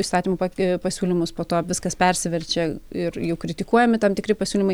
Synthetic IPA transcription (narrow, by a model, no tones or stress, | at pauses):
st̪ɑːt̪ʲiːmoːpɐpɐsʲuːlʲɪmʊspoːt̪oːɐpʋɪskɐspʲɛɾʲsʲɪʋʲɛɾʲt͡ʃʲɛɪrjɛʊkɾʲɪt̪ʲɪkuɔjɛmʲɪt̪ɐmt̪ʲɪkɾʲɪpɐsʲuːlʲɪmɐɪ